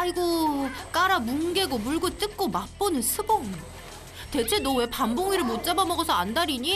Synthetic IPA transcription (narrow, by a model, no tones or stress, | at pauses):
aiɡok͈aɾamunɡe̞ɡomuɭɡɯt͈ɯk̚k͈omap͈onɯnsʰɯbʌŋɯ | te̞t͡ɕʰenowe̞pamboŋiɾɯɭmot̚t͡ɕ͈abamʌɡʌsʰʌandaɾiɲi